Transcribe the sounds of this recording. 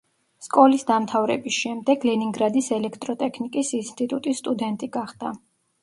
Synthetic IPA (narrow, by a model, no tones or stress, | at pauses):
skʼɔlisd̪amt̪ʰavɾɛ̰bisʃɛmd̪ɛɡlɛniŋɡɾad̪isɛlɛkʰt̪ʼɾɔt̪ʼɛkʰnikʼisinst̪ʼit̪ʼut̪ʼist̪ʼud̪ɛnt̪ʼiɡaχd̪a